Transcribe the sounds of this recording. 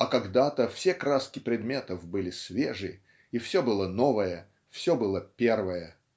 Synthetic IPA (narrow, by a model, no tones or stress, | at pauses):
ɐkɐɡd̪at̪əfsʲekɾaskʲɪpɾʲɪd̪mʲe̞t̪əvbɨlʲɪsvʲeʐɨ | ifsʲobɨlˠənovəjə | fsʲobɨlˠəpʲe̞rvəjə